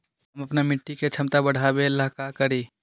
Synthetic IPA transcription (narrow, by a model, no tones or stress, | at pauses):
ɦəmɐpnamɪʈːiket͡ʃʰəmt̪abəɽ̤ʱabelaɦkakəɾi